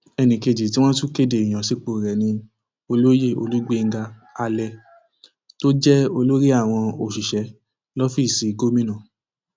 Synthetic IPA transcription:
ɛ˧nĩ˨ke˧˨d͡ʒi˨t̬i˨˦w̃ɔ̃˦tu˦ke˦de˨i˨j̃ã˨si˨˦k͡po˨ɾɛ˨nĩ˧ | o˧lo˦je˦˨o̰˧lu˦ɡ͡be˦˨ŋ̩˦ɡa˧ | a˧lɛ˧ | to˦d͡ʒɛ˦o˧lo˦ɾi˦a˦˨w̃ɔ̃˧o˨ʃi˨ʃɛ˨˦ | lɔ˦fi˦˨si˨˦ɡo˦mĩ˦nã˦˨

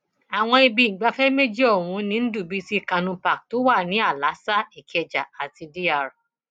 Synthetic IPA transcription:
a˨w̃ɔ̃˧i˧bi˧˨ɡ͡ba˧fɛ˦me˦d͡ʒi˦ɔ˦˨wũ˨˧˦nĩ˧˦n̩˦du˦˨bi˨˦si˦˨kã˧nũ˧pa˨k̚to˨˦wa˦˨nĩ˨˦a˦˨la˨˦sa˦i˨kʰɛ˧d͡ʒa˨a˨ti˧di˦a˦˨ɾa˨

